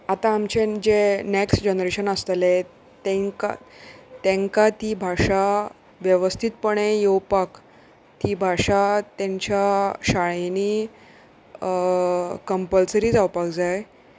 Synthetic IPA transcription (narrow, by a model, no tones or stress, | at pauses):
at̪ãːmt͡ɕed͡ʑeneksʈd͡ʑenɾeɕənəst̪le | t̪ẽŋka̰t̪ɛ̃ŋkat̪iːbʱaʂa | ʋjəʋəst̪ʰit̪̚pəɳẽjowpak | t̪ibʱaʂat̪ãɲt͡ɕaɕaɭeni | kəmpəlsəɾiːd͡zawpakd͡zaj